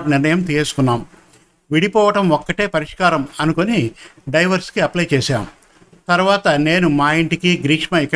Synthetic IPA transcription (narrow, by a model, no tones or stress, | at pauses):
niɾnɐjɐmt̪esu̥kunːaːm | ʋiɽipɔːʋɐʈɐmɔkːɐʈe̞ːpɐɾiʂkaːɾɐmɐnukoniɖɐjʋɐɾskiɐplɐjt͡ʃeːʃaːmu | t̪ɐɾuʋaːt̪ɐne̞ːnumaːjiɳʈikiɡɾiːkʂmɐikːɐ